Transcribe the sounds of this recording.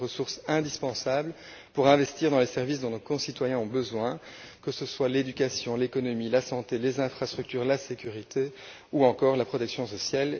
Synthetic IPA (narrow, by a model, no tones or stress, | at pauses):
ʁəsuʁsɛ̃d̪ispɑ̃sabl | puʁɛ̃vɛst̪iːʁd̪ɑ̃lɛsɛʁvisd̪ɔ̃nokɔ̃sit̪wajɛ̃ɔ̃bəzwɛ̃kəsəswaled̪ykasjɔ̃lekɔnɔmilasɑ̃t̪elezɛ̃fχast̪χyk̚t̪yːʁlasekʲyʁit̪ʰe | uɑ̃kɔːʁlapχɔt̪ɛksjɔ̃sɔsjal